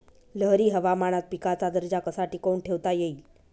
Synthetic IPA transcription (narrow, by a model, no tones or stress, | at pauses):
ləɦɾiːɦəʋamaɽ̃at̪̚pikat͡sad̪əɾd͡ʑakəsaʈikouɳʈʰeʋt̪ajeiːl